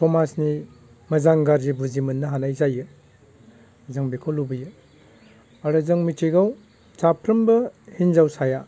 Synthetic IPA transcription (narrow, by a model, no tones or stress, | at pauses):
tʰomasni | mɐzaŋɡaɾzibuzimɐnːɐɦanajzajɯ | zɐŋbikʰolubɯjɯ | aɾɯzɐŋmitʰiɡaw | t͡ʃapʰɾɐmbɐhinzawsaja